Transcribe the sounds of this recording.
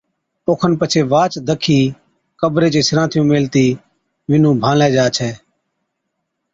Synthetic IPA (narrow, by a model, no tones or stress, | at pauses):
oːkʰənpət͡ʃʰeːʋaːt͡ʃd̪əkʰiː | kəbɾeːt͡ʃeːsɾãːt̪ʰɪjũːmeːlt̪iː | ʋɪnũːbʱãːlɛ̃ːd͡ʒaːt͡ʃʰɛː